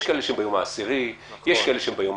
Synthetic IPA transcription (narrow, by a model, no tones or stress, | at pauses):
ʃkaʔeleʃembajomaːsiʁi | jeʃkaeleʃembajom